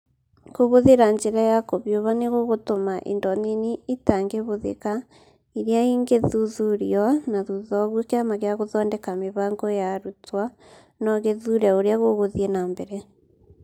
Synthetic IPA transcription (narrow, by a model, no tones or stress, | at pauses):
koβoðeɾaɲd͡ʒeɾajakoβjoβaneɣoɣotomaʔḛndɔniniitaŋɡeβoðḛka | iɾiaiŋɡeðuðuɾiɔnaðuðɔɣwokeamaɣeaɣoðɔːndɛkameβaːŋɡɔjaɾutwa | nɔɣeðuɾaoɾeaɣoɣoðienaːmbɛɾɛ